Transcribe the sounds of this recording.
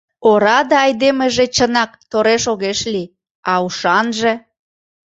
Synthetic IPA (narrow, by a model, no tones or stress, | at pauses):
oɾɑd̪ɑːjd̪emeʒet͡ɕənɑk̚t̪oɾeʃoɣeʃli | ɑuʃɑnʒe